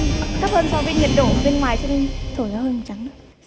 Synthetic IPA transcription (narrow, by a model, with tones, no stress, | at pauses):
t̪ʰa˦˥p̚həː˧nsa˧wvəː˨˦ɲi˨˩t̚ɗo̰˧˨vɓe˧nŋwaː˨˩jt͡ɕɔ˧ne˧nt̪ʰo˧˩jzaː˨˧˦ɦəː˧jmo˨˩t̚t͡ɕa˨˦ŋɗɨ˦˥